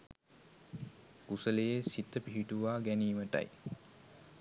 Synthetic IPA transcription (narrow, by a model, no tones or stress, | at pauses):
kusəlejesit̪ːəpiɦiʈuʋaːɡæniːməʈɐ̰j